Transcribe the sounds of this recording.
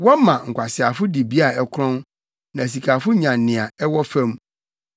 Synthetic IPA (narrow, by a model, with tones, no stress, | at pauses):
wɔ˦mã˨ŋ̩˨kʷa˨sɪ˨a˨fʊ˦di˨bi˦a˨ɛ˦kʰɾɔ̃˦n | nã˨s̬i˨kʰa˨fʊ˦ɲã˨nːɪ̃˨a˨ɛ˦wɔ˦fɛ̃˦m˦